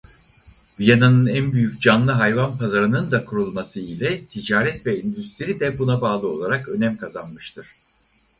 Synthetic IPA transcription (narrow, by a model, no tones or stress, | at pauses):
vijananɯnænbyjyc̚d͡ʒanlˠɯɦajvanpʰazaɾɯnɯnd̪akʰuɾulˠmasɯilʲɛt̪ʰid͡ʒaːɾɛt̪vɛind̪yst̪ʰiɾid̪ɛbunabaːlˠɯo̞lˠaɾakø̞næmkʰazanmɯʃt̪ʰɯɾ̥